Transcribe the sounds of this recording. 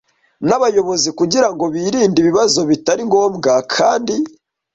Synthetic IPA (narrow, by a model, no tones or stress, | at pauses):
naβajo̞βo̞zikuɟiɾaŋɡo̞βiːɾiːndiβiβazo̞βitaɾiŋɡo̞ːmɡakʰaːndi